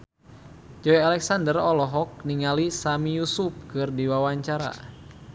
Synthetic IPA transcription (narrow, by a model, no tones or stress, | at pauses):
d͡ʒɔjalɛksandərɔlɔɦɔk̚niŋalisamijusup̚kɨrdiwawaɲt͡ʃaɾa̰